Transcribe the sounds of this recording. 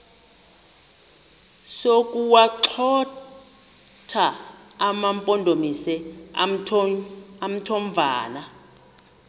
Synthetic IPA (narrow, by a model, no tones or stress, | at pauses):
sokʼuwaǃʰɔ | tʰaː | mampʼɔndʱomisɛ | am̩tʰoɱvʱaːna